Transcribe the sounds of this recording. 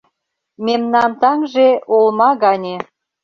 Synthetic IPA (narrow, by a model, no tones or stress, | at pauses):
memnɑmt̪ɑŋʒeolmɑɣɑnʲe